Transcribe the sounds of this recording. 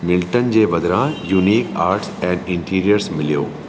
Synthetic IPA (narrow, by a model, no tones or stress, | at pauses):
mɪlʈənd͡ʑeːbɐd̪ɾãjuːniːkaːɾʈsɛ̃ːɳɖɪ̃ɳʈiːɾijəɾsmɪlijo̰ː